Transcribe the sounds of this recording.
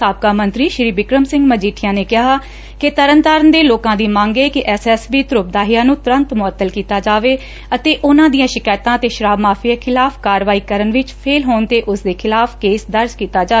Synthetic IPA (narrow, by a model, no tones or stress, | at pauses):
saːp̚kaːmənt̪ɾiːʃɾiːbɪkɾəmsɪ̃ŋɡməd͡ʒiːʈʰɪjãːneːkɪɦaː | kɪt̪əɾənt̪aːɾənd̪eːloːkãːd̪iːmãːŋɡeːkɪʔɛːsɛːsbiːt̪ʊɾʊp̚d̪aːɦɪjãːnũːt̪ʊɾə̃nt̪mʊət̪ːəlkiːt̪aːd͡ʒaːʋeː | ət̪eːʔʊnãːd̪ijãːʃɪkaːjt̪ãːət̪eːʃəɾaːbmaːpʰijakʰɪlaːpʰkaːɾʋaːiːkəɾənʋɪt͡ʃpʰeːlɦoːnt̪eːʔʊsd̪eːkʰɪlaːpkeːsd̪əɾd͡ʒkiːt̪aːd͡ʒaː